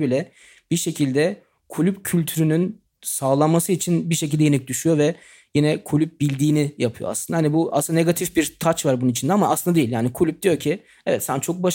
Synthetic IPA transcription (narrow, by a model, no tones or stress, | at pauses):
bilʲɛ | b̥iʃe̞cʰilʲd̪ɛ | kʰulʲypcʰylʲt̪ʰyɾynyn | saːlˠanmasɯit͡ʃʰinbiʃecilʲd̪ɛjenɛc̚d̪yʃyjo̞vɛ | jinɛkʰulʲyp̚bilʲd̪iːnijapʰɯjo̰aslɯnd̪ahanibuasɯnane̞ɡat̪ʰifbiɾt̪ʰat͡ʃvaɾbununit͡ʃʰind̪ɛamaːslˠɯnd̪d̪ejilʲjaːnikʰulʲyp̚d̪̥ijo̞ɾcʰi | ɛvɛt̪sænt͡ʃʰo̞k̚baʃ